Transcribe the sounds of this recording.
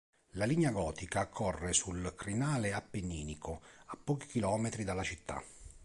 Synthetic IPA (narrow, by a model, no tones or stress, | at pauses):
laliɲːaɡɔːt̪ikaːkʰːɔrːesulkɾinaːleapːenːiːnikoapːɔːki̥k̟ilɔːmet̪ɾid̪alːat͡ʃit̪ːa̰